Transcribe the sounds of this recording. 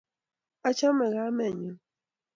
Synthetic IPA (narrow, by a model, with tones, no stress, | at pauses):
a˦t͡ʃa˦mɛ˨ɣa˨˦mɛ˦˨ɲə˨